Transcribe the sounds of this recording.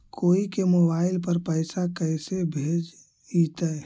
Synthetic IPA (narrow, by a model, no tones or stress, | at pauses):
koːikemobaɪlpəɾpəɪsakəɪsebʱed͡ʒ | it̪ə